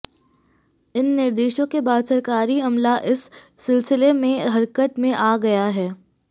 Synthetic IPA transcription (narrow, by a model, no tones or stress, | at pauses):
ɪnːɪɾd̪eːʃõkebaːd̪sɐɾkaːɾiɐmlaʔɪsːɪlsɪlemẽɦɐɾkət̪mẽʔaːɡɐjaɦɛː